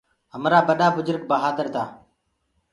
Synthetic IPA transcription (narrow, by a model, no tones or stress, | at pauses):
ɦəmɾaːbəɗaːbʊd͡ʒəɾɡbəɦaːd̪əɾt̪aː